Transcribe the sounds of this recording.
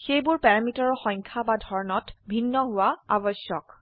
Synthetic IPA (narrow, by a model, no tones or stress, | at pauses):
xejbʊɹpɛɹamitɔɹɔxɔjŋkʰabadʱɔɹnɔtbʱinːɔɦʊwaa̰bɔsjɔk